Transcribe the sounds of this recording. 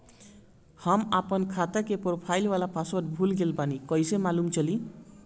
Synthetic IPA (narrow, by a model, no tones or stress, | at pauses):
hamapɔnkʰat̪akepɔɾpʰajlwalapʰasɔt̪bʱulɡelpanikɔjsemalumt͡ʃʰʌli